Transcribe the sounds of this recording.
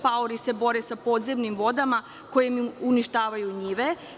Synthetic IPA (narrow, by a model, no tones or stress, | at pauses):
paoɾise̞bo̞ɾesapo̞ːd̪zemnimʋo̞d̪ama | ko̞jemuniʃt̪aːʋajuɲiʋe